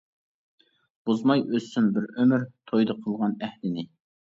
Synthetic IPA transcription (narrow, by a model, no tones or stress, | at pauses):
b̥ozmɑjʔøsymbɪɾømyɾt̪ʰojd̪ɑqʰəlˠʁɑnæhlɪnɪ